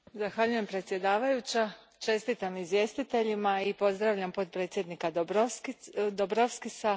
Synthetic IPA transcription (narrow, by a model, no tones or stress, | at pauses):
zaxʋaʎuje̞mpɾe̞t̪sje̞d̪aːʋajut͡ɕa | t͡ʃe̞st̪it̪amizje̞ːst̪it̪e̞ʎimaipo̞zd̪ɾaʋʎampo̞t̪̚pɾet̪sʲje̞d̪nikad̪obkd̪obɾafskisa